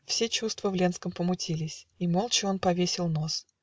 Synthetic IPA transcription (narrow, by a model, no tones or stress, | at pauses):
fsʲet͡ɕust̪vəvlʲe̞nskəmpəmʊtʲʰilʲɪsʲimo̞lˠt͡ɕɪo̞npɐvʲesʲɪlˠno̞s